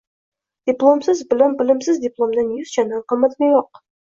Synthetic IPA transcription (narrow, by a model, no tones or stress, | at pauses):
d̪̥ʲɪplˠomsɪzbɪlanbɪlɪmsɪzd̪ʲɪplˠomd̪anjʊz̥t͡ʃʰand̪anqʰɨmːat̪ɡʲajoq̚